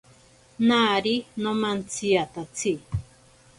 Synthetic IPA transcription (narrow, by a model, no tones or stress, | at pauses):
naɾinomant͡sʰiat̪at͡sʰi